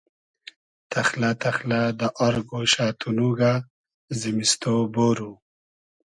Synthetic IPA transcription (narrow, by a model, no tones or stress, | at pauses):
t̪ʰaxlat̪ʰaxlad̪əʔaɾɡoʃaːt̪ʰunuɡa | zimist̪oboɾu